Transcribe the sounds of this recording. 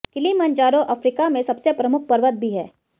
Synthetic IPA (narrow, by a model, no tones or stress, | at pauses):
kɪlimɐ̃nt͡ʃaːɾõʔɐfɾiːkamẽsɐbsepɾɐmʊk̚ʰpɐɾʋət̪̚bʱiɦɛ̰ː